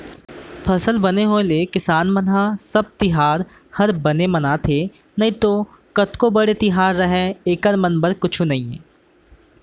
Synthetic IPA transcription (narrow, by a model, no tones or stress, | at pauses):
fʰɐsəlbɐneɦoelekɪsaːnmɐnɦasɐb̚t̪ɪɦaːɾ | hɐɾbɐnemɐnat̪ʰe | nɐɦĩt̪oː | kɐt̪kobɐɽet̪ɪɦaːɾːɐɦɛeːkəɾmɐnbəɾkʊt͡ʃʰunɐɦĩɛ